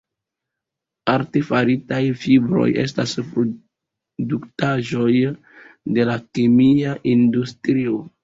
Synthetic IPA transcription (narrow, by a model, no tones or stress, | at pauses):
aɾtefaɾitajfibɾo̞̰je̞̰s̬taspɾo | duktaʒo̞j | de̞lakemiaʔindustɾio